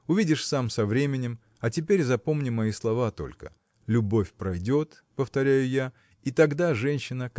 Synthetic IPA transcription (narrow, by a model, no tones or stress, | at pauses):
ʊvʲidʲɪʂsamsɐvɾʲemʲɪnʲɪm | ɐtʲɪpʲeɾʲzɐpo̞mnʲɪmɐislˠɐvat̪o̞̰lʲkə̰ | lʲʊbofʲpɾɐjdʲo̞t̪ | pəft̪ɐɾʲæjʊja | it̪ɐɡd̪aʐɛnʲɕːɪnə